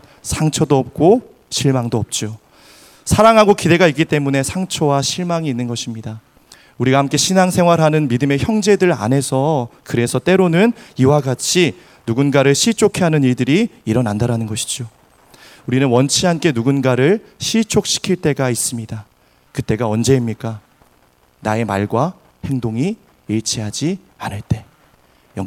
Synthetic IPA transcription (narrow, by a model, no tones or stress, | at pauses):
sʰaŋt͡ɕʰʌdoʌp̚k͈o | ɕʰiɭmaŋdoʌp̚t͡ɕ͈o | sʰaɾaŋɦaɡokide̞ɡaik͈it͈e̞mune̞sʰaŋt͡ɕʰʌwaɕʰiɭmaŋiːnːɯnɡʌɕʰimɲida | uɾiɡahamk͈e̞ɕʰinaŋsʰe̞ŋwaɾɦanɯnmidɯme̞çjʌŋd͡ʑe̞dɯɾa̰nɦe̞sʰʌkɯɾe̞sʰʌt͈e̞ɾonɯniwaɡat͡ɕʰi | nuɡunɡaɾɯɭɕʰit͡ɕʰokʰeɦanɯniɭdɯɾiːɾʌnandaɾanɯnɡʌɕʰi̥d͡ʑo | uɾinɯnwʌnt͡ɕʰiɦank͈e̞nuɡunɡaɾɯɭɕʰit͡ɕʰok̚ɕ͈ʰi̥kʰiɭt͈e̞ɡais͈ɯmɲida | kɯt͈e̞ɡaʌnd͡ʑe̞imɲik͈a | nae̞maɭɡwa | he̞ŋdoŋiː | ɭt͡ɕʰiɦad͡ʑi | anɯɭt͈e̞ | jʌ